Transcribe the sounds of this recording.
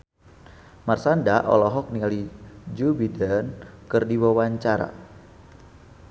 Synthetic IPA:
marsandaʔɔ̰lɔɦɔk̚nialid͡ʒuwidənkɨrdiwawaɲt͡ʃaɾa̰

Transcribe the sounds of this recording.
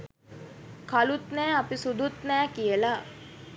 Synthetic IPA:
kalut̪nɛːapisud̪ut̪næːkijəla

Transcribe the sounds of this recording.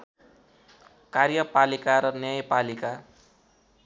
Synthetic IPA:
karjʌpalikaɾʌnjʌjpalika

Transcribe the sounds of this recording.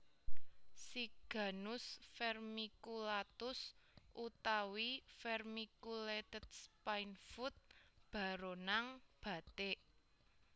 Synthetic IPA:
siɡ̥a̤nʊsfɛrmikulat̪ʊsʔut̪awifɛrmikulet̪əd̪̥spajnfut̪̚b̥a̤ɾonaŋb̥ä̤t̪eʔ

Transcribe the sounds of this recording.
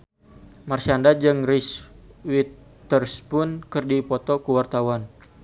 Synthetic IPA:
marsiandad͡ʒɨŋriswit̪ː | ərspʊnkɨrdipɔt̪ɔkuwart̪awan

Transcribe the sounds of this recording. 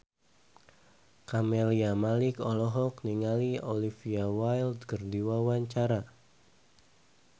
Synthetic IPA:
kameliamalikɔlɔɦɔkniŋaliɔlifiawajldkərdiwawaɲt͡ʃaɾa

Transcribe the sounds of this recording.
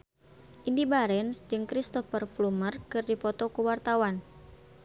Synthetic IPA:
ʔindibaɾɛnsd͡ʒɨŋkɾist̪ɔfərplumərkɨrdipɔt̪ɔkuwart̪awan

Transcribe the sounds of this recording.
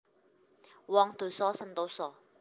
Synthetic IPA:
wɔːŋt̪ʰuːjsɔːsɐmt̪owsɔː

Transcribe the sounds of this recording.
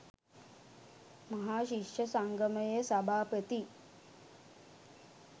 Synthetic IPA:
mɐɦaːʃikʂəsaŋɡəməjesɐbʱaːpət̪i

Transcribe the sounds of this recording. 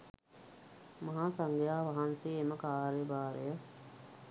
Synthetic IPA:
mɐɦaːsaŋɡjaːʋaɦanseeməkaːɾjəbaːɾəjə

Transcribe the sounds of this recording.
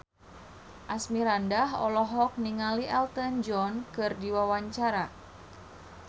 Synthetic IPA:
ʔasmiɾandaɦɔ̰lɔɦɔk̚niŋaliʔɛlt̪ənd͡ʒɔnkɨrdiwawaɲt͡ʃaɾa

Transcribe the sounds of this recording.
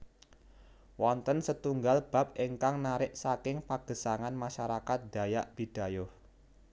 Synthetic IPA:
wɔnt̪ənsət̪uŋɡalb̥a̤p̚eŋkaŋnaɾɪʔsakɪŋpaɡ̥ə̤saŋanmaʃaɾakat̪̚d̪̥a̤jaʔb̥id̥a̤jʊh

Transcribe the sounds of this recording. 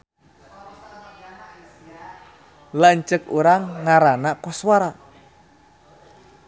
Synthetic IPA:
laɲt͡ʃəkuɾaŋːaɾanakɔswaɾa

